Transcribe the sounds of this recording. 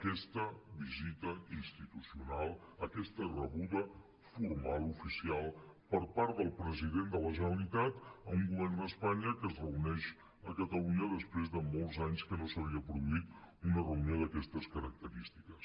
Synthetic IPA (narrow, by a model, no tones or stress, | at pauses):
kɛst̪əβizit̪əinst̪it̪usiunalˠəkɛst̪ərəβuðə | fuɾmalˠufisialˠpəɾpaɾt̪d̪əlˠpɾəziðend̪ələʒənəlit̪at̪əuŋɡuβ̞ɛrnd̪əspaɲəkəzrəunɛʃ | əkət̪əluɲəðəspɾezðəmolˠzaɲskənosəβ̞iəpɾuðuit̪unərəunjoðəkɛst̪əskəɾək̚t̪əɾist̪i̥kəs